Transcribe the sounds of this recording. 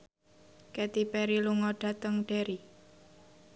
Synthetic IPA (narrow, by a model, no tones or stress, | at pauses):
kɛt̪ipɛɾiluŋɔɖ̥a̤t̪əŋɖ̥e̤ɾi